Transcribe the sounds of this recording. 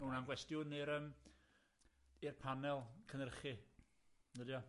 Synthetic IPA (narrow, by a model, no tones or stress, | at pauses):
unanɡwɛstjʊnɪɾəm | irpʰanɛlˠkʰənərχɪ | dədjɔ